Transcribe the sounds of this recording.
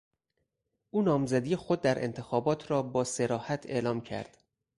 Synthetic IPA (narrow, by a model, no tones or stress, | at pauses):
ʔuːnɒːmzæd̪iːexod̪̚ːæɾʔe̞̰nt̪ʰe̞xɒːbɒːt̪ʰɾɒːbɒːse̞ɾɒːhæt̪ʰe̞̰lɒːmcʰæ̰ɾd̪̥